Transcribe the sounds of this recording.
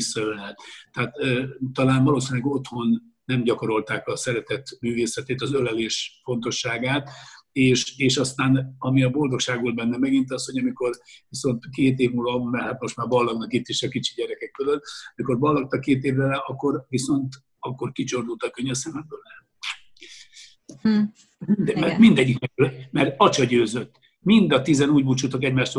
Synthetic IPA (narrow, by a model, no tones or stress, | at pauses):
isːɒølɛt̪ːɛat̪ːt̪ːɒlaːnvɒloːsinlɛɡo̞t̪ho̞nː | ɛmɟɒko̞ɾo̞lt̪aːkbɛɒsɛɾɛt̪ɛt̪myːveːsɛt̪eːt̪ɒzølɛleːʃfo̞n̪t̪o̞ʃːaːɡaːt̪eːʃeːʃɒst̪aːnɒmiɒbo̞ld̪o̞kʃaːɡbolbɛnːɛmɛɡint̪ɒsho̞ɟɒmiko̞rviso̞nt̪keːt̪eːvmulvɒmɛrhat̪mo̞ʃt̪maːrbɒlːɒɡnɒkit̪ːiʃɒkit͡ʃi̥ɟɛɾɛkɛkfølølɒmiko̞rbɒlːɒk̚t̪ɒkːeːt̪eːvrɛlɛɒkːo̞rviso̞nt̪ | ɒkːo̞rkit͡ʃo̞rd̪ult̪ɒkːøɲvɛsɛmɛnbøːlɛ | mind̪mɛmind̪ɛɟːiknɛklmɛrɒt͡ʃɒɟøːzøt̪ː | mind̪ɒt̪izɛnuːɟbut͡ʃut̪okɛɟmaːʃt̪o